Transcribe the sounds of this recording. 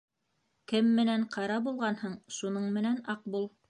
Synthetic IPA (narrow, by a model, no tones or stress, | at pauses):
kɘmːɘ̆næɴqɑɾɑbulˠʁɑnhɤɴʃunɤɴmɘ̆nænɑq̚bulˠ